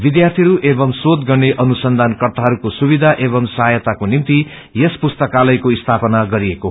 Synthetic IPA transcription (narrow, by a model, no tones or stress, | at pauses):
bid̪jart̪ʰiɦʌɾuʔebʌmsot̪ɡʌrneʔʌnusʌnd̪ʱankʌrt̪aɦʌɾukosubid̪ʱaʔebʌmsʌɦajʌt̪akonimt̪i | jespust̪ʌkalʌjkoist̪ʰapʌnaɡʌɾieko